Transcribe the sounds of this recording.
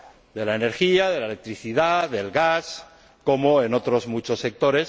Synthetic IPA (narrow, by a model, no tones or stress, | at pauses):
d̪e̞laene̞ɾxiaðe̞laele̞k̚t̪ɾiθiðaðe̞lɣas | ko̞moeno̞t̪ɾo̞zmut͡ʃo̞sːe̞k̚t̪o̞ɾe̞s